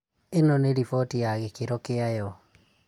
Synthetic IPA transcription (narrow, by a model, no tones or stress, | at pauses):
enɔneɾifɔtijaɣekeɾɔkeajɔ